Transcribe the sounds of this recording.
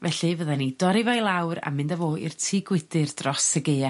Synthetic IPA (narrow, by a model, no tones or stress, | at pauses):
vɛɬɨvəðanidɔɾɪvajlˠawɾa̰mɨndavoːḭrtʰiɡwɪdɨrdrɔsəɡea